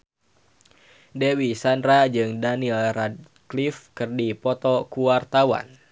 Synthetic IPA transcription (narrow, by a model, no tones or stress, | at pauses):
dewisandɾad͡ʒɨŋdanilrad̚ | klifkɨrdipɔt̪ɔkuwart̪awa̰n